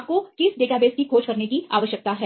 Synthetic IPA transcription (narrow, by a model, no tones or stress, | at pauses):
p̚kokɪsɖeːʈabeːskikʰoːd͡ʒkɐɾnekiaːʋəʃjək̚t̪aɦɛː